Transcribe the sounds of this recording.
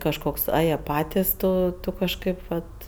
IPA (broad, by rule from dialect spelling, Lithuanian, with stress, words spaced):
kɐʃˈkoːks ˈɐ ˈjiɛ ˈpɑːtʲɪs ˈtoː kɐʃˈkɐɪp ˈʋɐt